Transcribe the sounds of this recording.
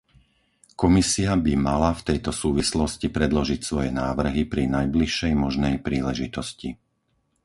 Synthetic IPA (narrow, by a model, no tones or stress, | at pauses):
kɔmisiabimalaft̪ɛjt̪ɔsuːʋislɔscipɾɛd̪lɔʒicsʋɔjɛnaːʋr̩ɦipɾinajbliʃːɛjmɔʒnɛjpɾiːlɛʒit̪ɔsci